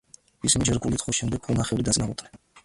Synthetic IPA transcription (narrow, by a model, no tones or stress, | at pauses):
visinid͡ʒɛɾɡulit̪ʰχʰɔʃɛmd̪ɛɡ̚χʰɔlˠnaχɛvɾid̪at̪sʼnaut̪ʼnɛ